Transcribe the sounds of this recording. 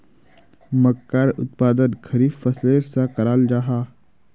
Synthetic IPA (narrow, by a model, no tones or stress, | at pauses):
məkːaːɾʊ̰t̪̚paːd̪ənkʰəɾiːfəseːɾsãkɐɾaːld͡ʒaːɦaː